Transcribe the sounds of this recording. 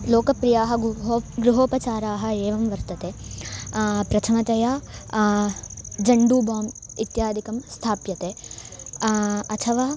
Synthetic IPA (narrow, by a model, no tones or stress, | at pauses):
loːkɐpɾijaːɦɐ̆ɡɾuɦoːpɐt͡ʃaːɾaːɦɐ̆eːʋɐmʋɐɾt̪ɐt̪eː | pɾɐt̪ʰɐmɐt̪ɐjaː | d͡ʒɐɳɖuːbaːm | it̪jaːd̪ʱikɐmst̪ʰaːpjɐt̪eː | ɐt̪ʰɐʋaː